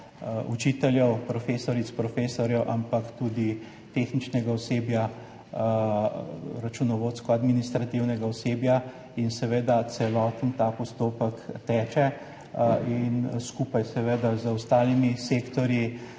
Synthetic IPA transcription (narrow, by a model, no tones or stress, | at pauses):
ut͡ʃit̪ɛljɛwpɾɔfeːsɔɾit̪spɾɔfeːsɔɾjɛwʔampakt̪uːd̪i | t̪exnit͡ʃnɛɡaɔsebja | ɾat͡ʃunɔʋot̪skɔad̪minist̪ɾat̪iwnɛɡaɔseːbja | insɛʋeːd̪at̪sɛlɔːt̪ənt̪apɔst̪oːpəkt̪ɛːt͡ʃɛ | inskuːpajsɛʋed̪azəwst̪aːlimisekt̪ɔɾji